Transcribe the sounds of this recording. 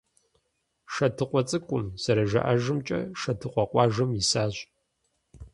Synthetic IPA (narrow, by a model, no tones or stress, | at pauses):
ʂɐtʰɨqʷɔt͡sʼɨkʷʼʊmzɐɾɐʒɐ̰ʔɐʒɨmt͡ʃʼɐ̰ʂɐtʰɨqʷɔqʷʼɑːʒɨmjisaːɕ